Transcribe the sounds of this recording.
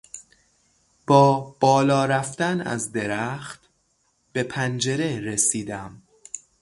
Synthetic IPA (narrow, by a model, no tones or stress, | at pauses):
b̥ɒːb̥ɒːlɒːɾæft̪ænæ̰zd̪e̞ɾæxt̪ | b̥e̞pʰænd͡ʒe̞ɾeɾesiːd̪æm